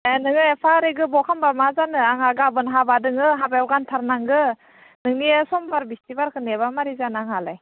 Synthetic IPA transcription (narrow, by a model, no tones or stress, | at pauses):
enɯŋɯpʰaɾeɡɯbɔkʰambamazanɯaŋaɡabɯnɦabadɯŋɯɦabaawɡantʰaɾnaŋɡɯ | nɯŋniesɔmpʰaɾbistibaɾkʰɯneβamaɾizanaŋalaj